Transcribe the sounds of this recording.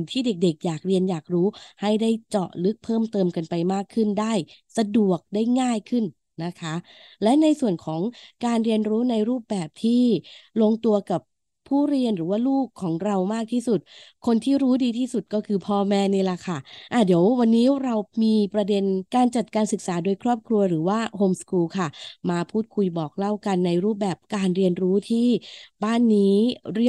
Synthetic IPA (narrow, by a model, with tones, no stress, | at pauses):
t̪ʰiː˥˩de˨˩k̚de˨˩k̚jaː˨˩k̚ɾi˧ənjaː˨˩k̚ɾuː˦˥ha˥˩jdaː˥˩jt͡ɕɔ̰˨˩ʔlɯ˦˥k̚pʰɤː˥˩mt̪ɤː˧mka˧npa˧jmaː˥˩kʰːɯ˥˩ndaː˥˩jsa˧du˨˩ək̚daː˥˩jŋaː˥˩jkʰɯ˥˩nː | a˦˥kʰa˦˥ | lɛ˦˥na˧jsu˨˩ənkʰɔː˩˦ŋkaː˧nɾi˧ənɾuː˦˥na˧jɾuː˥˩p̚bɛː˨˩p̚t̪ʰiː˥˩lo˧ŋt̪u˧ɐka˨˩p̚ʰː | uː˥˩ɾi˧ənɾɯː˩˦waː˥˩luː˥˩kʰːɔː˩˦ŋɾa˧wmaː˥˩k̚t̪ʰiː˥˩su˨˩t̪̚kʰo˧nt̪ʰiː˥˩ɾuː˦˥diː˧t̪ʰiː˥˩su˨˩t̪̚kɔː˥˩kʰɯː˧pʰɔː˧mɛː˧˥niː˧˩la˨˩kʰa˥˩ʔa˧˩diː˩˦əwwa˧nːiː˦˥ɾa˧wmiː˧pɾa˧de˧nkaː˧nt͡ɕa˨˩t̪̚kaː˧nsɯ˨˩k̚saː˩˦doː˧jkʰɾɔː˥˩p̚kʰɾu˧ɐɾɯː˩˦waː˥˩hoː˧mskuː˧kʰa˥˩maː˧pʰuː˥˩t̪̚kʰu˧jbɔː˨˩k̚la˥˩wka˧nːa˧jɾuː˥˩p̚bɛː˨˩p̚kaː˧nɾi˧ənɾuː˦˥t̪ʰiː˥˩baː˥˩nːiː˦˥ɾi˥˩